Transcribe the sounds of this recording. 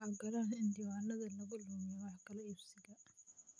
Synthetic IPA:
aɡɐɾanɪnd̪ɪwaːnːɐðɐlɐɣʊluːnɪwɑħkɐlɐɪbsɪɣɐ

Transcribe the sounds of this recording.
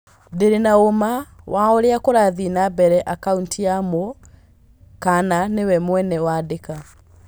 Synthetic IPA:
deɾenaomawaɔɾeakoɾaðinabɛɾɛʔakauntiamo | kananewɛmwɛnɛwaːdeka

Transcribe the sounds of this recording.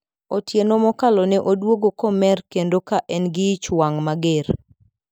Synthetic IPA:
otjenomɔkalɔnɛʔodwoɡokomɛrkendokaʔɛnɡɪt͡ʃwaŋmaɡer

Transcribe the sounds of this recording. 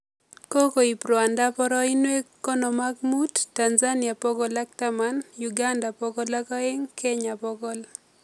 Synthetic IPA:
kokoipɾɔandapɔɾɔɪnwekːɔnɔmaɡmudtːanzanɪapɔɡɔlak̚tamanjuɡandapɔɡɔlakɔeŋkʰeɲapɔɡɔl

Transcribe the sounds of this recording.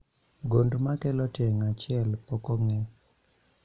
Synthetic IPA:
ɡondmakɛlɔtjɛŋat͡ʃɪɛlpɔkɔŋɛ

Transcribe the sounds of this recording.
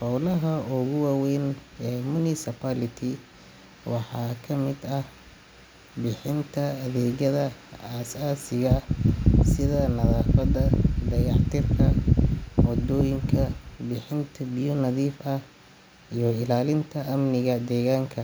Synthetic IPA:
fɔwlɐɦɐʊɣʊwaːwɛjnɛːmʊnɪsɪpʰalɪt̪ʰɪ | wɑħɑːkʰɐmɪd̪ɐh | bɪħɪnt̪ʰɐːðɛːɣɐðɐaːsaːsɪɣɐ | sɪðɐnɐðaːfɐd̪ɐd̪ɐɣɑʕt̪ʰɪrkʰɐ | wɔd̪ɔːjɪŋkʰɐbɪħɪnt̪ʰɐbɪjɔnɐðiːfɐ | ijɞɪlaːlɪnt̪ʰɐʔɐmnɪɣɐd̪ɛːɣaːŋkʰɐ

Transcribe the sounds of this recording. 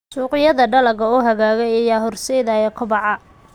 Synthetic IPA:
suːqɪjɐðɐɖɐlɐɣɐuːɦɐɣaːɣɛjɐjaːɦɔrsɛjðajɛkʰʊbɑʕɑ

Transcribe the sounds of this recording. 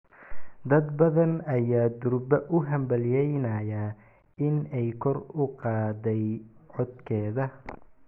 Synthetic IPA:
d̪ɐd̪bɐðɐnɐjaːd̪ʊɾbɐʔʊɦɐmbɐljɛjnɐja | ɪnɛjkʰɔrʊqɑːdɛjʕɔd̪kʰɛːðɐ

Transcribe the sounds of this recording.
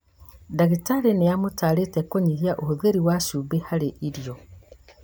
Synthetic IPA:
daɣitaɾenejamutaɾetekoɲiɾjaʔohuðeɾiwaʃubehaɾeʔiɾjo

